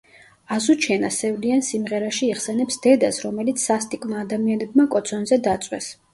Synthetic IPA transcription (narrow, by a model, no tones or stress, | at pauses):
azut͡ʃʰɛnasɛvliansimʁɛɾaʃiːχsɛnɛpsd̪̥ɛd̪asɾɔmɛlit̪sʰːast̪ʼikʼmaːd̪amianɛb̚makʼɔt̪sʰɔnzɛd̪at̪sʼwɛ̰s